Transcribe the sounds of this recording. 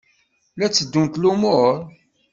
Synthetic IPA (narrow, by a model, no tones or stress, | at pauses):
læt͡sːəd̪ːunt̪lumʊɾˤ